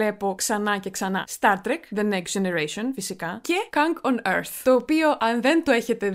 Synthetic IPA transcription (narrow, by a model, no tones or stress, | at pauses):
e̞po̞ksɐnɐce̞ksɐnɐ̰st̪ɐɾt̪ɾekðeneksd͡ʒeneɾesonfisikɐce̞kɐŋɡonḛɾθt̪o̞ːpio̞ʔɐnðe̞nt̪oe̞çe̞t̪e̞